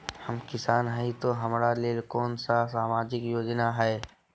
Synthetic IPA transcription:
həmkɪsaːnɦəit̪oɦəmɾaleːlkɔːnsasaːmaːd͡ʒɪkjoːd͡ʒnaɦɛː

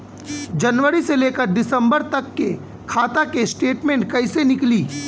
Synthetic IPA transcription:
d͡ʒɐnʋəɾiseleːkəɾɖɪsə̃mbəɾt̪ɐkːe | kʰaːt̪akesʈeːʈmẽːɳʈ̚kɐɪsenɪkliː

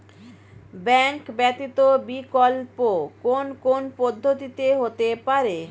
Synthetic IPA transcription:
bɛŋkbɛt̪it̪obikolpokonpkonpɔd̪ʱːot̪it̪eɦot̪epaɾe

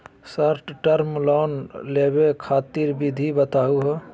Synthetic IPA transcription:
səɾʈʈəɾmlɔːnlebekʰaːt̪iɾbid̪ʱibət̪aːuɦo

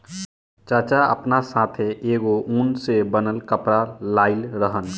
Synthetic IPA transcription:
t͡ʃaːt͡ʃaə̰pnasaːt̪ʰeʔeːɡoʔũːnsebənəlkəpɾalaːɪlɾəɦən

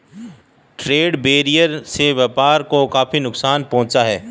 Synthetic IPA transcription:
ʈɾeːɖbeːɾijəɾseʋɛːpaːɾkokaːfinʊksaːnpɐ̃ɦʊ̃t͡ʃaɦɛː

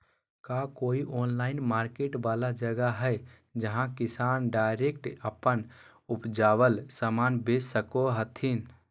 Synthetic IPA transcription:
kakoːiʔonlaɪnmaɾkeʈbalad͡ʒəɡaɦə | d͡ʒəɦãkisanɖaɪɾekʈəpən | upd͡ʒaβəlsamanbessəkoɦət̪ʰin

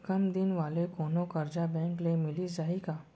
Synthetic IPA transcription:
kəmd̪ɪnʋaːlekoːnokɐɾd͡ʒabɛ̃ːŋklemɪlizaːɦikaː

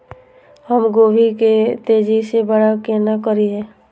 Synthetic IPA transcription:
həmɡoːʋiket̪eːd͡ʒisebəɽakeːnakəɾiɦɛ̃ː

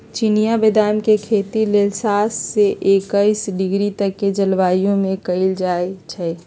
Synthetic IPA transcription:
t͡ʃinijabed̪ʱaːmkekʰet̪ileːlsasːeʔekəɪsɖɪɡɾit̪əkːed͡ʒəlʋaːjõmẽkəɪld͡ʒaːet͡ʃʰɛ

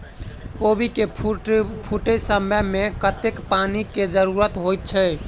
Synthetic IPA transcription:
kobike | pʰuʈəjsəməmekət̪ekpaniked͡ʒəɾuɾət̪ɦojt̪̚t͡ʃʰə

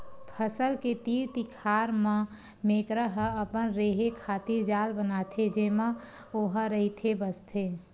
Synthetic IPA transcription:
pʰəsəlket̪iːɾt̪ikʰaːɾmã | meːkɾəɦəəpənɾeːɦekʰaːt̪iɾd͡ʒaːlbənaːt̪ʰed͡ʒeːmã | oɦəɾəɦit̪ʰebəst̪ʰeː

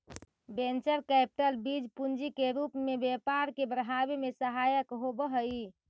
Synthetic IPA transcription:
bent͡ʃəɾkɛpi̥ʈəlbid͡ʒpund͡ʒikeɾupmebjepaɾkebɾəɦabemesəɦajəkɦobəɦəi

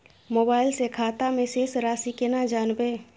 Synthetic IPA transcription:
moːbaːɪlsekʰaːt̪amẽseːsɾaːsikenad͡ʒaːnbeː

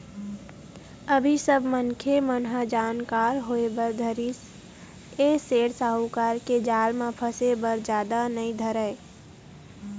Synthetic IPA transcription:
əbʱisəbʱmənkʰemənɦad͡ʒaːnkaːɾɦoːebəɾd̪ʱəɾis | eseːɽsaːɦukaːɾked͡ʒaːlmãpʰəsebəɾd͡ʒjaːd̪anəĩd̪ʱəɾəe

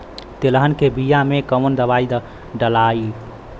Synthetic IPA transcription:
t̪eləɦənkebijamekəmənd̪əbaid̪ | ɖəlai

